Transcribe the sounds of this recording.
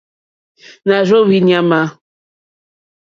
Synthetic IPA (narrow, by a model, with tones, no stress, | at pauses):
na˨ɾo˦wi˦ni˦a˦ma˦